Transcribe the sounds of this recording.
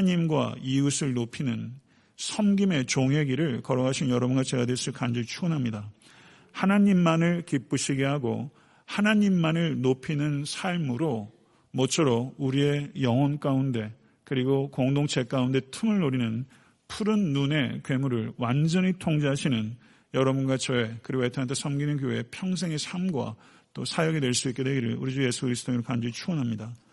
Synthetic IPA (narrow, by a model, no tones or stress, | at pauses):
ɲimɡwa̰iusʰɯɭnopʰinɯn | sʰʌmɡime̞t͡ɕoŋɦe̞ɡiɾɯɭkʌɾʌɡaɕʰinjʌɾʌbunɡat͡ɕeɡadwes͈ɯɭkand͡ʑit͡ɕʰuʌnɦamɲida | hanaɲimːanɯɭkip͈ɯɕʰiɡeɦaɡo̰ | hanaɲimːanɯɭnopʰinɯnsʰaɭmɯɾo | mʌt͡ɕʰʌɾouɾie̞jʌŋwʌnk͈aunde̞ | kɯɾiɡokoŋdoŋt͡ɕʰe̞k͈aunde̞tʰɯmɯɭnoɾinɯn | pʰuɾɯnːune̞̰kwe̞muɾɯɭwand͡ʑʌɲitʰoŋd͡ʑeɦaɕʰinɯn | jʌɾʌbunɡwat͡ɕʌe̞kɯɾiɡoetʰnantʰesʰʌmɡinɯnkjoe̞pʰjʌŋs̬ʰe̞ŋe̞sʰamɡwa̰ | t͈osʰajʌɡidwe̞ɭs͈uik͈e̞dwe̞ɡiɾɯ̰ɭuɾid͡ʑuje̞sʰukɯɾisɯ̥t͈ʰoeɾokand͡ʑiit͡ɕʰuʌnɦamɲida